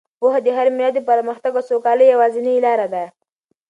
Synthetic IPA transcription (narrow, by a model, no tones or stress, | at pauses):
pohad̪əɦaɾmɪlɑd̪əpəɾməxt̪aɡosokɑləjawɑzinilɑɾad̪a